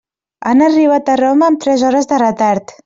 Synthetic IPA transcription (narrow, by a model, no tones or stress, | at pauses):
a̰nariβat̪əroməːmt̪ɾɛzɔɾəzðərət̪aɾt̪